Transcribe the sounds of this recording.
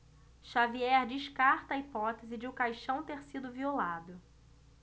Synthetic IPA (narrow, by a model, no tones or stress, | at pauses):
ʃaviɛɾd͡ʒɪʃkaɾt̪ɐːipɔt̪ezɪd͡ʒɪʊkajʃɐ̃w̃t̪eɾsid̪ʊviolad̪ʊ